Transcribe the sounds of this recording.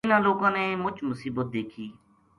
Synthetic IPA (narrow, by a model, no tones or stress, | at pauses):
nãːloːkãːneːmʊt͡ʃmʊsiːbət̪̚d̪eːkʰiː